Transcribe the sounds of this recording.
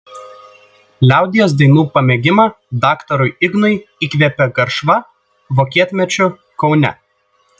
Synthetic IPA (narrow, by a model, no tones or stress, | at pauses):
lʲæˑʊd̪ʲɪjoːs̬d̪ɐɪnuːpɐmʲɛɡʲɪmɑ | d̪ɑːkt̪ɔɾʊɪɪɡnʊɪikʋʲɛpʲɛɡɐɾʃʋɐ | ʋokʲiɛt̪ʲmʲɛt͡ʃʲʊ | kɒʊnʲɛ̰